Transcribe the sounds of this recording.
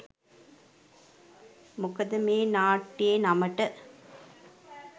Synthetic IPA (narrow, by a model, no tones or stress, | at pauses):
mʊkɐðɐmeːnaːʈːeːnɐmɐʈːɐ